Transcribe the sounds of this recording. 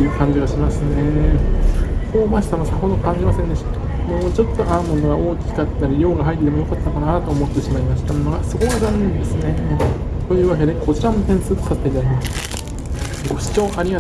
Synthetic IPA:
ɯ̟ːkãɲ̟d͡ʑiɡaɕimasɨne̞ | ho̞ːmaɕi̥t̪anosaho̞d̪o̞kãɲ̟d͡ʑimasẽ̞nd̪e̞ɕi̥t̪ḁ | mo̞ːt͡ɕo̞t̪ːo̞ʔaɯmo̞noɡaʔo̞ːkʲi̥kat̪ːaɾʲiɾo̞ːɡaɦait̪̬ːet̪emojo̞kat̪ːokanat̪oːmo̞t̪ːe̞ɕimaimaɕi̥t̪amonoɡasɨko̞azanːẽnd̪e̞sɨne̞t̪o̞jɯ̟ːβak̬e̞d̪e̞ko̞t͡ɕiɾamot̪ẽɰ̃sɨːt̪sat̪ːeit̪aɾʲimasɨ̥ | ɡo̞ɕi̥t͡ɕo̞ːʔaɾʲiɡa

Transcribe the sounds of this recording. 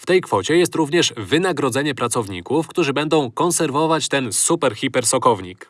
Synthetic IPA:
ft̪ɛjkfɔt͡ɕɛjɛst̪ɾuvɲɛʂvɘnaɡɾɔd̪zɛɲɛpɾat̪sɔvɲḭkufkt̪uʐɘbɛnd̪ɔ̃w̃kɔ̃nsɛɾvɔvat͡ɕt̪ɛnsupɛɾxʲipɛɾsɔkɔvɲḭk

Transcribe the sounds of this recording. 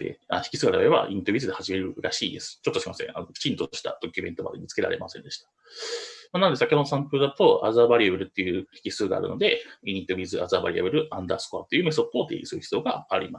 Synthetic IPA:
d̪ḛa̰çi̥kʲi̥sɨːɡaɾaɾeba̰ʔiɲʲit̪o̞bʲizɨd̪ehaʑime̞ɾɯ̟ɾaɕiːd̪e̞sɨ̥t͡ɕo̞t̪ːoɕiimasẽanoki̥t͡ɕĩnt̪oɕi̥t̪a̰d̪̥o̞kʲɯmẽ̞nt̪o̞ma̰d̪emʲit͡sɨ̥ke̞ɾa̰ɾe̞̰masẽ̞nd̪e̞ɕi̥t̪ḁ | manand̪eskːakʲoonosãmpɯ̟ɯd̪at̪o̞a̰zabaɾʲiebɯ̟ɾɯ̟t̪ːe̞jɯ̟ːçi̥kʲisɨːɡa̰ːɾɯ̟̰no̞d̪e̞iɲ̟it̪ːobʲizɨazabaɾiebɯ̟ɾɯ̟ãnd̪aːsɨ̥koat̪ːe̞jiɯ̟miso̞pːoːt̪ḛːɡḭsɨɾɯ̟çi̥t͡sjo̞ːɡa̰ːɾʲimas

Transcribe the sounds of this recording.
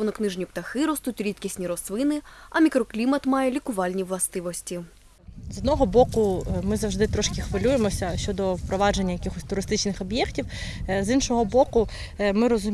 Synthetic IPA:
ɔnɔknɪʒnʲipt̪ɐxɪɾɔst̪utʲɾʲit̪kʲisʲnʲiɾɔsʋɪnɪɐmʲikɾɔklʲimɐt̪mɑjɛlʲikʊʋɑlʲnʲiʋlˠɐst̪ɪʋɔsʲtʲi | zɔd̪nɔɦɔbɔkʊmɪzɐwʒd̪ɪt̪ɾɔʃkʲɪxʋɪlʲujemɔsʲɐʃt͡ʃɔd̪ɔwpɾɔʋɑd͡ʒe̞nʲːɐjɐkʲixɔsʲt̪ʊɾɪst̪ɪt͡ʃnɪxɔbʲjɛktʲiwzinʃɔɦɔbɔkʊ | mɪɾɔzʊ

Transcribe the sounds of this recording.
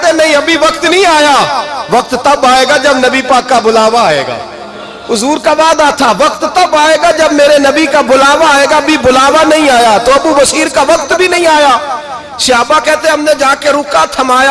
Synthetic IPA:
t̪enɐɦĩɐbʱiʋɐkt̪nɐɦĩːaːjaːʋɐk̚t̪t̪ɐbaːeːɡad͡ʒɐbnɐbipaːkːabʊlaːʋaaːḛːɡa̰ː | ʊzuːɾkabaːd̪aːt̪ʰaʋɐkt̪ːɐbaːeːɡad͡ʒɐbmeːɾenɐbikabʊlaːʋaeːɡabʱibʊlaːʋanɐɦĩaːjat̪oɐbubəsiːɾkaʋɐk̚t̪bʱinɐɦĩaːjaː | ʃɪaːbakɛːt̪eẽɦɐmned͡ʒaːkeɾʊkat̪ʰɐmaːja

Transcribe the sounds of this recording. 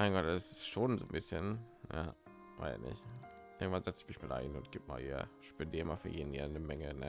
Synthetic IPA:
maɪnɡɔt̚ɛsɪsʃoːnzo̰ːnbɪsçənja̰ | va̰ɪsɪ̰nɪ̰ç | ʔɪɐɡŋ̩tvanzɛt͡sɪçmɪçmaːla̰ɪnʊnt̚ɡ̥iːp̚ma̰ːlhḭːɐ̰ʃpɛndiːɐəmaːlfyːɐjeːdn̩hiːɐnəmɛŋənə

